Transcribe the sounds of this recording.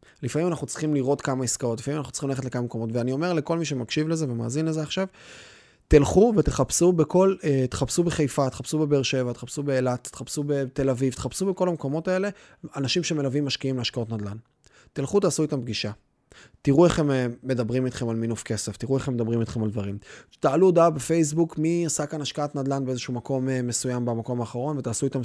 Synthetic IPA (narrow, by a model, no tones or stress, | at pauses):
lifamimanaχut͡sʁi̥χimliʁo̞t̪kamaiskao̞t̪̬lifamimnaχnut͡siχimlaetlekamameko̞mo̞tveanio̞me̞ʁle̞ko̞lmiʃ̬e̞makʃivle̞zevema̰ːzinlezeaχʃav | t̪ilχuve̞t̪eχapsubeko̞let̪e̥χapsubeχejfat̪e̥χapsube̞beʁʃe̞vat̪eχapsube̞ːlat̪e̥χapsube̞t̪e̞lavivt̪eχapsube̞ko̞lamko̞mo̞t̪ae̞le̞ | anaʃimʃemelavimːaʃkiimleaʃkao̞t̪nad̪lan | t̪ilχut̪aːsuitamp̚ɡiʃa | t̪iʁueχemeːe̞d̪abʁimit̪χe̞malminufke̞se̞ft̪iʁue̞χemːd̪abʁimit̪χe̞mald̪vaʁimt̪aːludaabefe̞js̬bukmiasakanaʃkaat̪nad̪lanbeezeʃuumako̞meme̞sujambamako̞maːχaʁo̞nve̞t̪aːsuit̪am